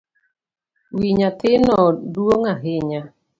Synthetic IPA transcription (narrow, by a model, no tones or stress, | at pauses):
wiɲat̪ɪnɔduoŋaɦɪɲa